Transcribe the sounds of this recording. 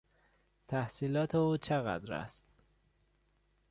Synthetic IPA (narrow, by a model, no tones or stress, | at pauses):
t̪ʰæhsiːlɒːt̪ʰeuːt͡ʃʰeɣæ̰d̪ɾæ̰st̪